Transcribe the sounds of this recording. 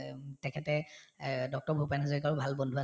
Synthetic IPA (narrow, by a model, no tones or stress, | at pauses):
tɛkʰɛtɛ | dɔk̚tɔɹbʱupanazɔɹik̬aɹʊbʱalbɔndʱua